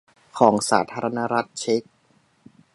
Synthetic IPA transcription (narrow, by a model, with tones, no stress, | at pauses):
kʰɔː˩˦ŋsaː˩˦t̪ʰaː˧ɾa˧na˦˥ɾa˦˥t̪̚t͡ɕʰe˦˥k̚